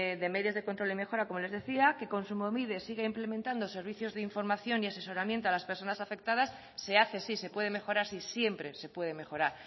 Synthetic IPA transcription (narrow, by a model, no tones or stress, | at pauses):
ðe̞me̞ðjo̞zðe̞kont̪ɾo̞limexo̞ɾako̞mo̞le̞zðe̞θiake̞ko̞nsumomið̞e̞siɣaimple̞mẽnt̪and̪ose̞ɾβiθjo̞zðeiɱfo̞ɾmaθjo̞niase̞soɾamje̞nt̪oalaspeɾso̞nasafe̞k̚t̪að̞asː | e̞aθesise̞pwe̞ðe̞me̞xo̞ɾaɾsisje̞mpɾe̞se̞pwe̞ð̞e̞me̞xo̞ɾaɾ